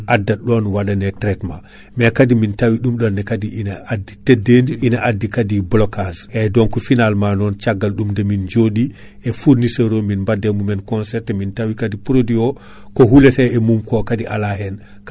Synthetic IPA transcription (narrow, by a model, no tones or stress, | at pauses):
ʔadːaɗɔnwaɗanɛtɾɛtma | mɛkadimintawiɗumɗɔnːɛkadiʔinaadːitɛdːendiʔinaʔadːikadiblɔkazʔɛdɔnkɔfinalmanɔnt͡ʃaɡːalɗumdɛmind͡ʒoɗi | ɛfuɾnisɛɾominbadːɛmumɛnkɔnsɛɾtɛmintawikadipɾodiɔ | kɔɦulɛtɛɛmumkɔkadiʔa̰laɦɛn | k